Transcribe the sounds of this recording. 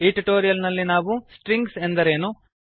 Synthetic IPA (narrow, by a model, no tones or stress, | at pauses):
iːʈiʈoːɾijɐlnɐlːinaːʋusʈɾiŋɡsend̪ɐɾe̞ːnu